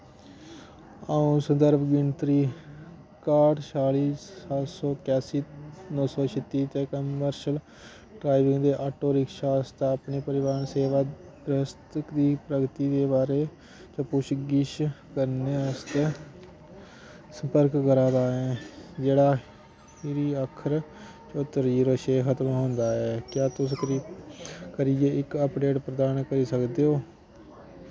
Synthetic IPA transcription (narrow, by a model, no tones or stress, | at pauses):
aːũːsənd̪əɾbɡɪɳt̪ɾiː | kaːʈʃaːliːsaːlsɔːkɛːsiːnɔːsɔːt͡ʃʰɪt̪ːiːt̪ɛ̃ːkəəɾʃəl | ɖɾaːɪʋɪŋɡd̪eːʔaːʈoːɾɪkʃaːst̪ːəpneːpəɾɪʋaːɾənseːʋaː | bɾəst̪əkd̪iːpɾəɡt̪iːd̪eːbaːɾeː | t͡ʃə̃pʊʃɡɪʃkəɾneːəst̪ | səmpəɾkːəɾãːd̪aːɛːd͡ʒeːɽaː | ɪɾiːəkʰəɾ | t͡ʃoːt̪əɾiːɾəʃeːɦət̪mɦʊ̃nd̪aːɛːkjaːt̪ʊskɾiːkəɾiːeːɪkəpɖeːʈpɾəd̪aːnkəɾiːsəkd̪eːɦoː